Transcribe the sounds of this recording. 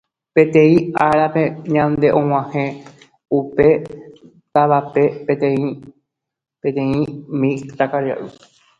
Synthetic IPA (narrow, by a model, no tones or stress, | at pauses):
pẽ̞t̪ẽ̞ĩʔaɾape̞ɲãnd̪e̞ʔõw̃ãhẽ | upe̞ | t̪aβape̞pet̪ẽĩ | pet̪ẽ̞ĩmĩt̪akaɾia̰ʔɨ